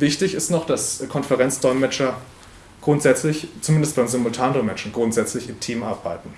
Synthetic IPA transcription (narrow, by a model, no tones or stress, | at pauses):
vɪçtɪçɪstnɔχd̥askʰɔnfɛʁɛnt͡sd̥ɔʏmɛt͡ʃɐ | ɡ̥ʁʊntz̥ɛt͡slɪçt͡sumɪndəst̚b̥aɪmzɪmʊltʰaːndɔʏmɛt͡ʃɐnɡʁʊntz̥ɛt͡slɪçɪmtʰiːmʔaɐbaɪtn̩